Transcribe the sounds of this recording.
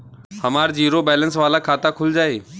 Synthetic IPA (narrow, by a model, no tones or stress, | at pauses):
hɐmaːɾd͡ʑiːɾobɛːlənsʋaːlakʰaːt̪akʰʊld͡ʑaːeː